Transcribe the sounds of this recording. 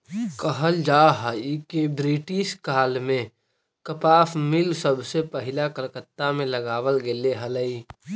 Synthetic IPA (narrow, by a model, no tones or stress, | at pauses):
kəɦəld͡ʒaːɦaikebɾiːʈɪʃkaːlmẽ | kəpaːfmɪlsəbsepəɦɪlakəɾkət̪ːamẽləɡaːʋəlɡeleɦələi